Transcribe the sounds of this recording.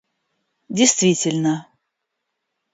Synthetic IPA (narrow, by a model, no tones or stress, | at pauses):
dʲɪjst̪vʲitʲɪlʲnə